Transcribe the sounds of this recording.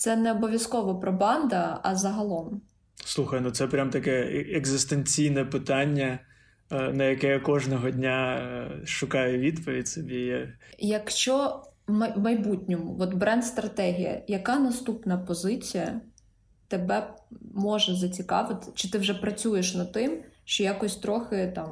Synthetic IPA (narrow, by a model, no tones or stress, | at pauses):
t̪sɛnɛɔbɔʋʲjɐskɔʋɔpɾɔbɑnd̪ɐɐzɐɦɐlˠɔm | slˠuxɐjnut̪sɛpɾʲamt̪ɐkɛeɡzɪst̪enʲt͡sʲijnɛpɪt̪ɑnʲːɐ | nɐjɐkɛjakɔʒnɔɦɔd̪ʲnʲa | ʃʊkɑjʊʋʲid̪pɔʋʲidʲsɔbʲijajɐkʃt͡ʃɔwmɐwmɐjbutʲnʲɔmʊʋɔt̪bɾɛnd̪st̪ɾɐt̪ɛɦʲijɐ̰jɐkɑnɐst̪upnɐpɔzɪt͡sʲijɐ | t̪ebɛmɔʒɛzɐt͡sʲikɑ̰ʋɪt̪ɪ̥t͡ʃɪt̪ɪwʒɛpɾɐt͡sʲujeʃnɐt̪ɪmʃt͡ʃɔjakɔsʲt̪ɾɔxɪt̪ɑm